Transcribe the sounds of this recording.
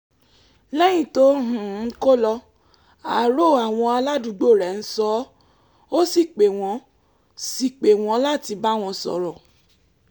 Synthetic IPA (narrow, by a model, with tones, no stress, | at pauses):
lɛ˦j̃ĩ˨to˦ɦũ˨˦˨ko˦lɔ˧ | a˨ɾo˦˨a˨w̃ɔ̃˧a˧la˦du˨˦ɡ͡bo˦˨ɾɛ˨n̩˦sɔ˨˦ | o˦si˦˨k͡pe˨w̃ɔ̃˨˦ | si˦˨k͡pe˨w̃ɔ̃˨˧˦la˦ti˧ba˦w̃ɔ̃˧sɔ̰˧˨ɾɔ˨